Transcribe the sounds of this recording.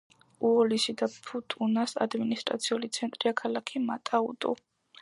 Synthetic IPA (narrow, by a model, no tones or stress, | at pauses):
uɔlisid̪apʰut̪ʼunasa̰d̪minist̪ʼɾa̰t̪sʰiulit̪sʰɛnt̪ʼɾiakʰalakʰimat̪ʼaṵd̪ʼṵ